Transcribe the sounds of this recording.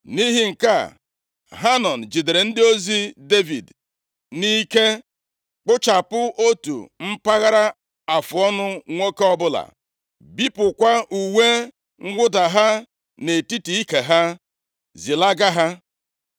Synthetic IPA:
ni˦ɦi˦ŋ̩˨ka˦˨ | ɦa˦nɔ˨n̩˨d͡ʒi˨de˨ɾe˨n̩˦dɪ˦o˦zi˦de˦vḭ˨d | ni˦ke˦ | k͡pʊ˦t͡ʃa˨pʊ˦ʔo˦tṵ˨m̩˦pa˦ɣa˦ɾa˦ | a˨fʊ˨ɔ˦nʊ˦ŋʷo˦ke˦ɔ˦bʊ˦la̰˨ | bi˦pʊ˨kʷa˦ʔu˨we˦ | ŋ̩˦ɡʷʊ˦da˨ɦa˦ | ne˨ti˦ti˨i˦ke˨ɦa˦ | zi˨la˦ɡa˦ɦa˦

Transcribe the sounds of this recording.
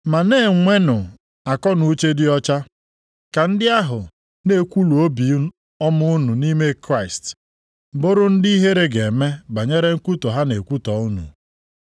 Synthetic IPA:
ma˨ne˦˨ŋʷe˦nʊ˨ | a˨kɔ˦nu˦t͡ʃe˦dɪ˦ɔ˦t͡ʃa˦ | ka˨n̩˦dɪ˦a˦ɦʊ˨ | ne˦˨kʷu˦lu˨o˦bi˨˦ | ɔ˦mʊ˦ʊ˦nu˨ni˦me˦kɾa˦ɪ˨st | bʊ˦ɾʊ˦n̩˦di˦i˦ɦe˦ɾe˦ɡe˨me˦ɡ͡ba˨ɲe˦ɾe˦ŋ̩˦ku˦to˨ɦa˦ne˨kʷu˦tɔ˨˦ʊ˦nṵ˨

